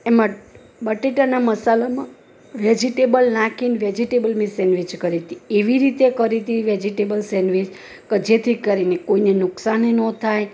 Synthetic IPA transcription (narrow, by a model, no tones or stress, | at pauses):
emã | bəʈiʈənaməsalamã | ʋed͡ʒiʈebəlnakinʋed͡ʒiʈebəlmisɛnʋit͡ʃkəɾit̪ieʋiɾit̪ekəɾit̪iʋed͡ʒiʈebəlsɛnʋit͡ʃ | kəd͡ʒet̪ʰikəɾinekoinenʊksanenɔt̪ʰaj